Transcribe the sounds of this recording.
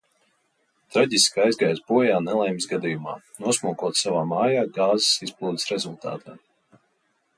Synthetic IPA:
t̪ɾaɟʲiskajzɡajzbuɔjaːnɛlˠɛjmisɡad̪ijuma̰ːnuɔsmuɔkuɔt̪savaːmaːjaːɡaːzi̥sisplˠuːd̪ʲi̥sɾɛzulˠt̪a̰ːt̪ʰaː

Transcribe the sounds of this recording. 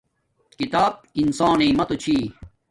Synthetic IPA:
kit̪aːb̚insaːneːmɐt̪ot͡ɕʰiː

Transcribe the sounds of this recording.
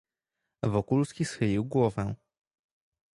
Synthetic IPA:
vɔkulskʲisxɘlʲiwɡwɔvɛ̃

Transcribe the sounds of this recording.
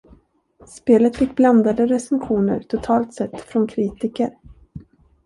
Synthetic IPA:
speːlət̪fɪkːbland̪ad̪əɾɛsənɧuːnə̰ɾt̪ʰʊt̪ʰɑːlt̪sɛt̪ːfɾɔnkʰɾiːt̪ɪkəɾ

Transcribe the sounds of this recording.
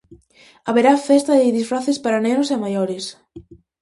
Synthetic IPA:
aβeɾafɛst̪ɐðɪðisfɾaθespaɾanenosemajoɾɪs

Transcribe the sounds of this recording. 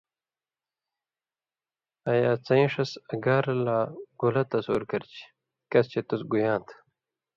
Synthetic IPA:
ɐjaːt͡sɐĩʂɐsɐɡaːɾɐlaːɡulɐt̪ɐsoːɾkɐɾt͡ɕi̥ | kɐst͡ɕet̪usɡujãːnt̪ʰ

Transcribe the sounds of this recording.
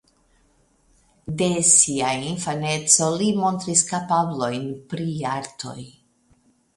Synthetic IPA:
de̞siainfane̞t͡so̞limo̞nt̪ɾiskapablo̞jnpɾiaɾtʰo̞̰j

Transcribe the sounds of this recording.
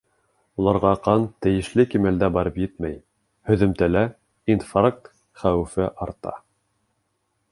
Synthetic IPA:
ulˠɑɾʁɑqɑnt̪ɘ̆jɘ̆ʃlɘkimæld̪æbɑɾɤpjɘt̪mæj | hɵ̆ðɘ̆mt̪ælæ | infaɾk̚t̪ | χæwɘ̆fɘʔɑɾt̪ɑ̰

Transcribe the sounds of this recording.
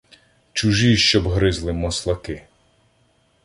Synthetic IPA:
t͡ʃuʒiʃt͡ʃɔbɦɾɪzlˠɪmɔslˠɐkɪ

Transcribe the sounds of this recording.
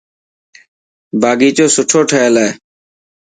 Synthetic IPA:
baːɡiːt͡ʃoːsʊʈʰoːʈʰəeːlaeː

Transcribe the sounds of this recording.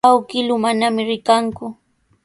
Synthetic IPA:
awkɪlʊmanamɪɾɪkaŋkʊ

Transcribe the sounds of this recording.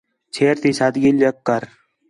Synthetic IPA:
t͡ʃʰeːɾt̪iːsad̪ɡiljəkːəɾ

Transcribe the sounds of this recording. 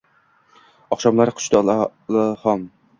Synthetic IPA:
ɒχʃɒmlˠaɾɪqʰʊ̥t͡ʃt̪alahɒm

